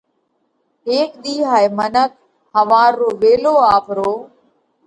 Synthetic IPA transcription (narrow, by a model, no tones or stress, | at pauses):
ɦeːkɗ̪iːɦaːemənək̚ | həʋaːɾːoːʋeːloːaːpʰɾoː